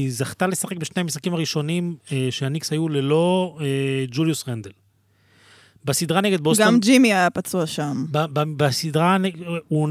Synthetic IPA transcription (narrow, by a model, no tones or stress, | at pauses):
zaχt̪ale̞saχe̞k̚beʃne̞jmisχakimaʁiʃo̞nimeʃeanikshajule̞lo̞ed͡ʒuljusʁend̪el | basid̪ʁaneɡed̪bosɡaamd͡ʒimiajapat͡suaʃambababasidʁanun